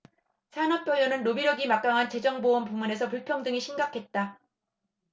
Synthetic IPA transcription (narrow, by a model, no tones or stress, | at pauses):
sʰanʌpp͈jʌɭːʌnɯnːobiɾjʌɡimak͈̚aŋɦant͡ɕe̞d͡ʑʌŋbowʌnpumune̞s̬ʰʌpuɭpʰjʌŋdɯŋiɕʰimɡakʰe̞t̚t͈a